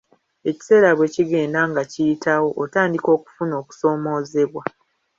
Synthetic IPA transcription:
e̞ci̥se̞ːɾaβwe̞ciɡe̞ːndaŋɡacijitawo̞ʔːtaːndiko̞ːku̥funo̞ːku̥so̞ːmo̞ːze̞βwa

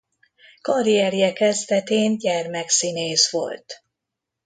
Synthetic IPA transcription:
kɒɾiɛɾijɛkɛzd̪ɛt̪eːnɟɛrmɛksineːsʋo̞̰lt̪

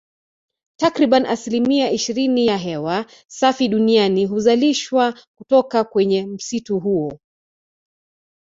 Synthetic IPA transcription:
takɾiɓaniʔasilimiaʔiʃiɾinijaɦɛwa | safiɗunianiɦuzaliʃwakutɔkakwɛɲɛm̩situɦuɔ

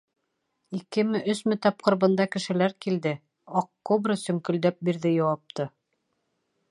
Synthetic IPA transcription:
ikɘ̆mɘʔɵsmɘt̪ɑp̚qɤ̆ɾβɤ̆nd̪ɑkɘ̆ʃɘ̆læɾkild̪ɘ | ɒq̚tobrɤsɵ̆ŋkɵ̆ld̪æp̚biɾðɘjɑwɑp̚t̪ɤ

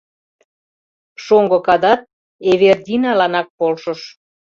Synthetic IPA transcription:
ʃoŋɡɤ̆kɑd̪ɑt̪̚ | eβerd̪ʲinɑlɑnɑk̚polʃə̆ʃ

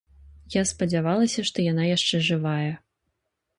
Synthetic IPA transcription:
jaspɐd͡zʲavalˠɐsʲɐʂt̪ɔjanajaʂt͡ʂɛʐɨvajɛ

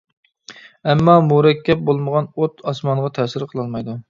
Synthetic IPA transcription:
ɛmːɑmuɾɛkʲʰːɛp̚bolˠməʁɑnot̪ɑsmɑɴʁɑt̪ʰɛsɪɾqʰəlˠɑlˠmɑjd̪u

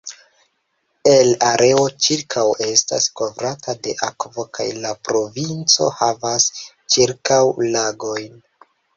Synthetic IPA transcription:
e̞laɾʔe̞o̞t͡ʃiɾkʰawe̞sta̰sko̞vɾatʰade̞̰ʔakvo̞ka̰jlapɾo̞vint͡so̞̰havas | t͡ʃiɾkawlaɡo̞jn

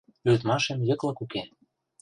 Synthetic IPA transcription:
yt̪mɑʃĕmjɤ̆klɤ̆kuke

